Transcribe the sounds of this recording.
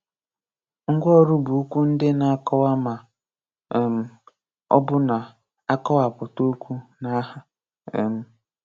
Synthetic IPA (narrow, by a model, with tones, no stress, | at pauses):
ŋ̩˦ɡʷɔ˦˨ɾu˦bu˨u˦kʷu˦n̩˦dɪ˦na˨a˦kɔ˦wa˦ma˨ | m̩˨ | ɔ̰˦bʊ˦na˨ | a˦kɔ˦wa˨pʊ˨to˦kʷu˦na˦ɦa˨ | e˨m̩˦